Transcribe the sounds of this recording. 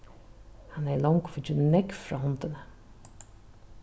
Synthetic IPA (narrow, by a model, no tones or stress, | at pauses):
hanɛlɔŋkfɪt͡ʃɪnnɛkfɾɑ̰ːhɔnt̪ɪnə